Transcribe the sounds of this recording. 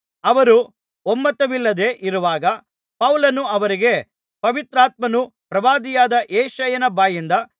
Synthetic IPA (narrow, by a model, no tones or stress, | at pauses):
ɐʋɐɾu | omːɐt̪ɐʋilːɐd̪e̞ːʔiɾuʋaːɡɐ | pɐwlɐnuɐʋɐɾiɡe̞ | pɐʋit̪ɾaːt̪̚mɐnu | pɾɐʋaːd̪ijaːd̪ɐʔeːʃɐjɐnɐbaːjind̪ɐ